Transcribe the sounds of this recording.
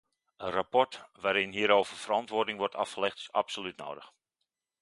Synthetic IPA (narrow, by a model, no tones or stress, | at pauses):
ənrapɔrtʋaːɾɪnɦiəɾoːvərfərɑntʋoːrdɪŋʋɔrtʰɑ̰fχəlɛxtɪ̥sa̰psolytno̰ːdəx